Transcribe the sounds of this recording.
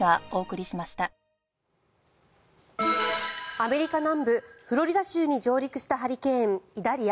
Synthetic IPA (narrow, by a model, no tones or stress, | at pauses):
ɡao̞ːkɯ̟ɾʲiɕimaɕi̥t̪a | ame̞ɾʲikanãmbɯ̟ɸɯ̟ɾo̞ɾʲid̪aɕɨːɲ̟id͡ʑo̞ːɾʲikɯ̟̥ɕi̥t̪aɦaɾʲikẽ̞ŋid̪aɾʲia